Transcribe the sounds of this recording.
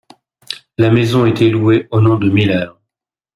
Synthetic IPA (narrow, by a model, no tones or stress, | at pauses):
lamezɔ̃ɛt̪ɛlueonɔ̃d̪əmilɛʁ